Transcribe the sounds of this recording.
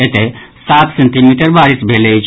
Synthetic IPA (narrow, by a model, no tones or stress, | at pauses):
et̪esat̪ʰsenʈ̪imiʈəɾbaɾisbʱelet͡ʃʰ